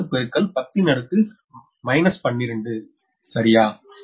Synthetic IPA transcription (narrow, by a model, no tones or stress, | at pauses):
ɯpɛɾɯkːɐɭpɐt̪ːinɐɽɯt̪ːɯ | mɐɪnɐspɐɳːɪɾɯɳɖɯ | sɐɾɪjaː